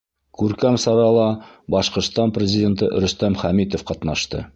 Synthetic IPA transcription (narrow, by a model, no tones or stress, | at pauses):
kʉɾkæmsɑɾɑlˠɑ | bɒʃqŏɾst̪ɑnprʲɪzʲɪdʲe̞nt̪əʔ̆ɾɵ̆st̪æmχæmit̪ofqɒt̪nɑʃt̪ɤ̰